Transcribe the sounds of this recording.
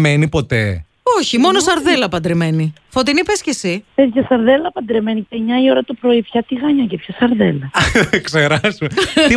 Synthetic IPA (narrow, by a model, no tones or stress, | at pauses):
menipo̞t̪e̞ | o̞çimo̞nosɐɾðe̞lɐpɐnd̪ɾeme̞nifo̞t̪inipescesifezçɐsɐɾðelɐpɐnd̪ɾeme̞niteɲɐio̞ɾɐt̪opɾo̞ipçɐt̪iɣɐɲɐcepçɐsɐɾðelɐðkseɾɐsumei